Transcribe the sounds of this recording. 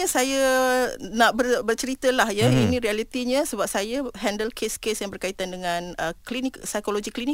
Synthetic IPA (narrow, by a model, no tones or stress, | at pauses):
asaja | nãʔbərbərt͡ʃəɾit̪əlahjainĩɾialit̪iɲə̃səbap̚sajaɦɛndəlkʰeskesjaŋbərkait̪andəŋãnəkliniksajkoloɡiklini